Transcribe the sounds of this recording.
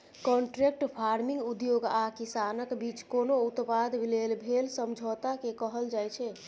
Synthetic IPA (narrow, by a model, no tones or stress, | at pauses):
kɔ̃ɳʈɾek̚ʈpʰaɾmiŋɡud̪joɡakisanəkbit͡ʃkonout̪pad̪ʱblelbʱelsəmd͡ʒʱot̪akekəɦəld͡ʒajt͡ʃʰɛ